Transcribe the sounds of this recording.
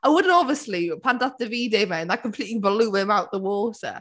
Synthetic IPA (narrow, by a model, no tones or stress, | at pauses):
aɪwʊdⁿn̩tɔbviəslipʰãndat̚dəviːdemɛnðakʰə̃mpʰl̥iˑʔlibəluːmɪ̃mawʔðəwɔːtʰə̰